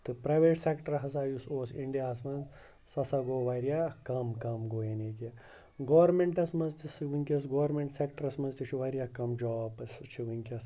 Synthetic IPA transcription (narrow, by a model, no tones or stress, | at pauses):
t̪ɨpɾaːjʋeːʈsekʈɐɾɦɐsaːjusoːsiɳɖijaːs̬mɐnz | sɐsaɡoːʋɐɾjaːkɐmkɐmɡoːjeneːki | ɡoːɐɾmeɳʈɐsmɐnzt̪isɨʋɨŋʲkʲɐs̬ɡoːɾmeɳʈsekʈɐɾɐsmɐnzt̪it͡ʃʰuʋɐɾʲijaːkɐmd͡ʒɔːbɨst͡ʃʰiʋɨŋʲkʲɐs